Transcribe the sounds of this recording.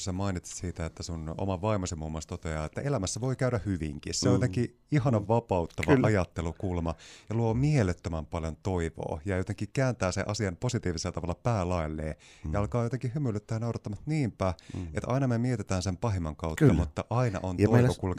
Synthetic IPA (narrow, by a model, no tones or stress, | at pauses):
semɑinit̪ssiːt̪æet̪ːæsuno̰mɑʋɑimosemːumːost̪ot̪eɑ̰ːet̪ːæʔe̞læmæsːæʋo̞ikæyɾæhyʋiŋkissejot̪eŋki | iɦɑnɑʋʋɑpɑut̪ːɑʋɑʔɑjɑt̪ːelukulmɑjɑluomielet̪ːømæmpɑljont̪oiʋo̰ːjɑjot̪eŋkikæːnt̪æːsḛʔɑsiɑmposit̪iːʋiselːɑt̪ɑʋɑlːɑpæːlɑilːḛːjɑɑlkɑːjot̪eŋkihymylːyt̪ːæːnɑwɾɑt̪ːɑmɑt̪niːmpæet̪ʔɑ̰inɑmemiet̪et̪æːnsempɑɦemːɑŋkɑut̪ːɑmut̪ːɑʔɑinɑ̰ʔonoiʋokul